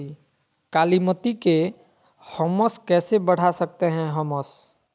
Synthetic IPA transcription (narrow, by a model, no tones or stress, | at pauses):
kaːlimət̪ike | həməskɛːsebɐɽ̤asɐk̚t̪eɦɛ̃ɦəməs